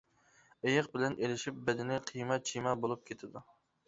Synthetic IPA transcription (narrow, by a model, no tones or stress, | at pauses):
ejɨqbɪlɛnʔelɪʃip̚bɛd̪ɪnɪqʰijmɛt͡ʃʰimɛbolˠup̚kʲʰet̪ʰɪd̪u